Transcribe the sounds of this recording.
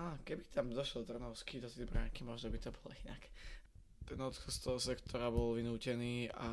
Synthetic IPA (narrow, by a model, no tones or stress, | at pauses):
aːkɛbit̪amd̪ɔʃlɔd̪r̩nɔʊskid̪ɔt̪ɛbɾaŋkimɔʒnɔbit̪ɔbɔlɔ̰ina̰k | t̪ɛnɔt̪xɔst̪ɔɦɔsɛkt̪ʰɔɾabɔlʋinuːcɛniːa̰